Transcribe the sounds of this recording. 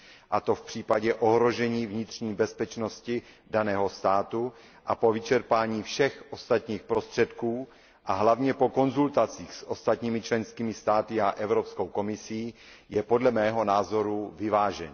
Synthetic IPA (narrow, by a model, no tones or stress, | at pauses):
ʔat̪o̞fpr̝̥iːpaɟɛʔoɦɾo̞ʒɛɲiːvɲɪt̪r̝̥ɲiːbɛspɛt͡ʃno̞scɪ | danɛːɦo̞st̪aːt̪u | ʔapo̞vɪt͡ʃɛɾpaːɲiːfʃɛxʔo̞st̪at̪ɲiːxpɾo̞st̪r̝̥ɛt̪kuː | ʔaɦlavɲɛpo̞ko̞nzult̪at͡siːxsʔo̞st̪at̪ɲiːmɪt͡ʃlɛnskiːmɪst̪aːt̪ɪaʔɛvɾopsko̞wko̞mɪsiː | jɛpo̞dlɛmɛːɦo̞naːzo̞ɾuvɪvaːʒɛɲː